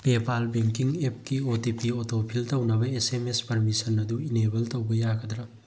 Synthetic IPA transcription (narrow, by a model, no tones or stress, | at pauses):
pepalbeŋkiŋep̚kiotipiotopʰiltɐwnɐbɐesemespɐɾmisɐnɐduinebɐltɐwbɐjakʰɐd̪ɾɐ